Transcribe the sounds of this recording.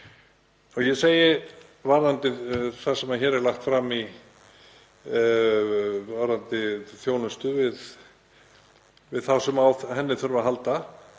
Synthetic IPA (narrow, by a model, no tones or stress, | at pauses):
ɔɣjɛseːjɪ | vaɾðant̪ɪθasɛmaðçɛːɾɛɾlaxt̪fɾami | vaɾant̪ɪθjownʏst̪ʏvɪð | vɪðθawsɛmawθhɛnːɪθʏɾvaɦalt̪a